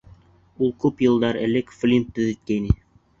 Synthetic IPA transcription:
ulˠkʉpjɤ̆lˠd̪ɑɾɘ̰̆lɘkflʲimp̚t̪ɵðɘ̆t̪̚kæjnɘ

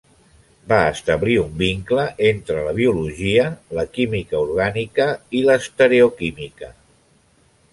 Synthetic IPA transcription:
baəst̪əβliumbiŋkləʔent̪ɾələβ̞iuluʒiələkimikəuɾɣ̞anikəiləst̪əɾeukimikə

